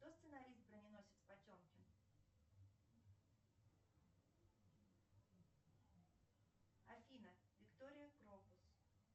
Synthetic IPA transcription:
t̪ost̪sɨnɐɾʲist̪̚bɾənʲɪno̞sʲɪt̪spɐtʲomkʲɪn | ɐfʲinəvʲɪkt̪o̞ɾʲɪjəɡɾobʊs

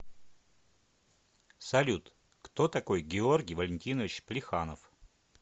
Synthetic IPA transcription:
sɐlʲut̪ | kt̪ot̪ɐkojɡʲɪorɡʲɪjvəlʲɪnʲtʲinəvʲɪt͡ɕplʲɪxanəf

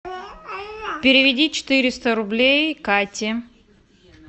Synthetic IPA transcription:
pʲɪɾʲɪvʲɪdʲit͡ɕɪ̥t̪ɨɾʲɪst̪əɾʊblʲejkatʲɪ

